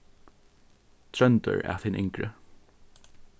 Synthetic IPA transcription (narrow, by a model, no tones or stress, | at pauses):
t̪ʰɾœnt̪ə̰ɹa̰θɪnʔɪŋkɹə̰